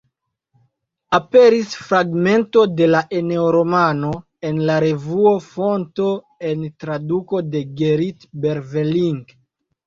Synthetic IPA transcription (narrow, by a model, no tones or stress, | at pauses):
ape̞ɾisfɾaɡme̞nto̞de̞laʔe̞ne̞oɾo̞mano̞ | e̞nlaɾe̞vuofo̞nto̞ | entɾaduko̞de̞ɡeɾitbe̞ɾveliŋɡ